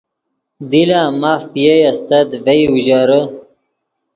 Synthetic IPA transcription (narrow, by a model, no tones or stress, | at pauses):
d̪ilaːmaːfpijejɐst̪ɐd̪vejuʑaːɾə